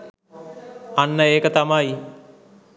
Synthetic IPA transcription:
anːəeːkət̪amaj

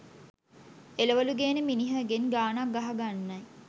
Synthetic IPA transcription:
eləʋəluɡeːneminiɦəɡenɡaːnaɡaɦaɡanːɐj

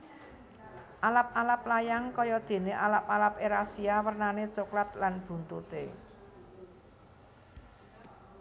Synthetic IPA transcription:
ʔalap̚alaplajaŋkɔjɔd̪̥e̤neʔalap̚alapeɾasiawərnanet͡ʃoklat̪̚lanb̥ṳnt̪ut̪e

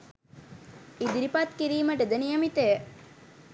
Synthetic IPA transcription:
id̪iɾipɐt̪kiɾiːmɐʈed̪enijɐmit̪e

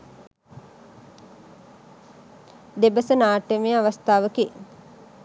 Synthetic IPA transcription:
d̪ebəsənaːʈemeaʋast̪aːʋəki

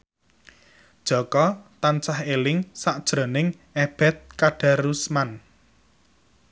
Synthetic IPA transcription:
d̥ʒ̥ɔ̤kɔt̪ant͡ʃahelɪŋsaʔd̥ʒ̥ɾo̤nɪŋ | eb̥ɛ̤t̪̚kaɖ̥a̤rusman

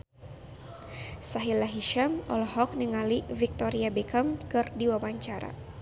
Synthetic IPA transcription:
saɦilaɦiʃamɔ̰lɔɦɔk̚niŋalivik̚t̪oɾiabɛkamkɨrdiwabaɲt͡ʃaɾa̰

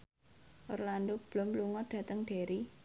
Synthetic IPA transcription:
ʔorland̪ob̥lʊmluŋɔɖ̥ä̤t̪əŋɖ̥e̤ɾi

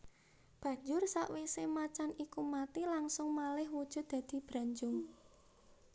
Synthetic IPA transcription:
b̥a̤ɲd͡ʒʊrsaʔwisemat͡ʃanikumat̪ilaŋsʊŋmalɪhwud̥ʒ̥ʊ̤t̪̚d̪̥a̤d̪̥i̤b̥ɾa̤ɲd͡ʒʊŋ

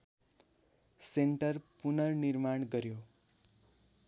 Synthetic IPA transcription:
seɳʈəɾpunʌɾniɾmaɳɡʌɾjo

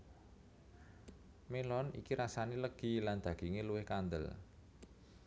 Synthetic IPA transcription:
melɔnḭkiɾasaniləɡ̥i̤land̪̥ä̤ɡ̥iŋeluwɪhkand̪ə̰l

